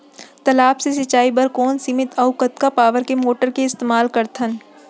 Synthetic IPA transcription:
t̪ɐlaːpses̬ɐt͡ʃːaːibɐɾkɔːnsɪmɪt̪ʰɐʊkɐt̪kapaːʋəɾkemoːʈəɾkeɪst̪eːmaːlkɐɾt̪ʰən

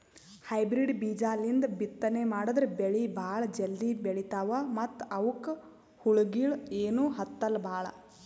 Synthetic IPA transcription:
hɐjbɾiɖbiːd͡ʒaːlind̪ɐbit̪ːɐnemaːɽud̪ɾebeɭibʱaːɭɐd͡ʒeld̪ibeɭit̪aːʋɐmɐt̪ːɐwk | huɭuɡiɭeːnuːɦɐt̪ːɐlːɐbʱaːɭɐ̰

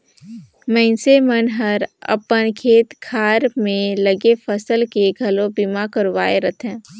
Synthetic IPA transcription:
mɛ̃ɪnsemənɦəɾə̰pənkʰeːt̪kʰaːɾmẽləɡefʰəsəlkeɡʱɐlõbimakəɾwaːeɾət̪ʰɦɛ̃ː

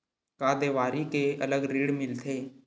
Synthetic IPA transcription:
kaːd̪eːʋaːɾikeələɡɾiːɽmɪlt̪ʰeː

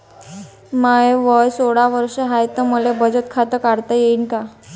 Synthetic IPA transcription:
majʋəjsoɽaʋəɾʂeɦajt̪əməlebəd͡zət̪̚kʰat̪əkaɽt̪əjeinka

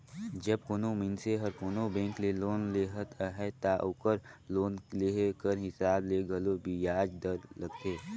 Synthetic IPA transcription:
d͡ʒəb̚koːnomɪnseɦɐɾkoːnobẽːŋkleloːnleɦət̪ʰɦɛt̪aʔʊkəɾloːnlekəɾɦɪsaːbleːɡəlobijaːd͡ʒd̪əɾləɡeː

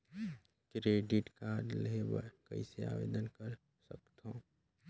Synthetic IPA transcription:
kɾeɖiʈkaːɾlebəkə̰isea̰ʋḛd̪ənkəɾ | səkt̪ɦõ

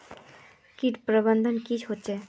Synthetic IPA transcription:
kiʈpɾoband̪ʱonkit͡ɕʰhotːɕʰe

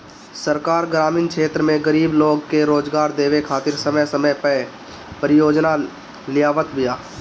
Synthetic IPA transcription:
səɾkaːɾɡɾaːmiːnkʰeːt̪ɾəmẽɡəɾiːbloːɡkeɾoːd͡ʒɡaːɾd̪eːʋekʰaːt̪ɪɾsəməjsəməjpə | pəɾɪjoːd͡ʒna | lɪjaːʋət̪bɪjaː

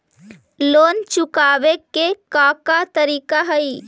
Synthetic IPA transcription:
lont͡ʃukabekːekakat̪əɾiːkaɦəi

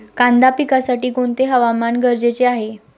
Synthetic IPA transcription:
kãnd̪apikasaʈiːɡoɳt̪eɦəʋamanɡəɾd͡ʑet͡seaɦe

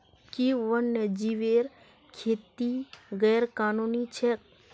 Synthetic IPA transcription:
kiʋənːəd͡ʒiʋeːɾ | kʰeːt̪iɣɛːɾkaːnuːnit͡ʃʰe

